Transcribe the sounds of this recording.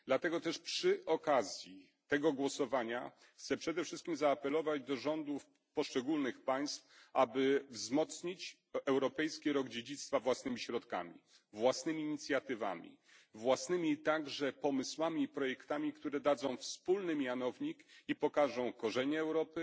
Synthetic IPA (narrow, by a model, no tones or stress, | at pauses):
d̪lat̪ɛɡɔt̪ɛʂpʂɘʔɔkazʲji | t̪ɛɡɔɡwɔsɔvaɲa | xt̪sɛpʂɛd̪ɛfʂɘst̪̚kʲimzaːpɛlɔvad͡ʑd̪ɔʐɔnd̪uf | pɔʂt͡ʂɛɡulnɘxpaj̃st̪fʔabɘvzmɔt̪sɲit͡ɕ | ɛwɾɔpɛjskʲiɾɔɡd͡ʑed͡ʑit̪st̪favwasnɘmʲiɕɾɔt̪ka̰mʲḭ | vwasnɘmʲiːɲit̪sʲjat̪ɘva̰mʲḭ | vwasnɘmʲit̪aɡʐɛpɔmɘswamʲiːpɾɔjɛkt̪amʲikt̪uɾɛd̪ad̪zɔ̃w̃fspulnɘmʲjanɔvɲikipɔkaʐɔ̃w̃kɔʐɛɲɛːwɾɔpɘ